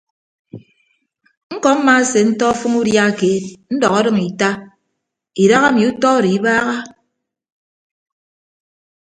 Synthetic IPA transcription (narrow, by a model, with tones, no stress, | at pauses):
ŋ̩˦kɔ˨˦m̩˦ma˦se˨n̩˦tɔ˦fɨ˦ŋu˦dja˦˨keː˨t̚n̩˦dɔ˨ɣa˦dɨ˦ŋi˨ta˦ | i˨da˦ɣa˦mi˨u˦tɔ˦ɾi˨˦baː˦ɣa˦